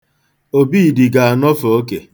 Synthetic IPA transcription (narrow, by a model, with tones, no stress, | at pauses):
o˦biː˦˨di˨ɡa˨a˨nɔ˦fo˨o˦kḛ˨